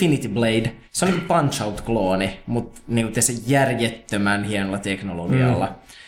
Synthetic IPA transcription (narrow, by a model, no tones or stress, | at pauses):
init̪ibleidseolnikpɑnt͡ʃɑut̪kloːnemut̪niːŋkut̪esejjærjet̪ːømænhienolːɑt̪eknoloɡiɑ̰lːɑ̰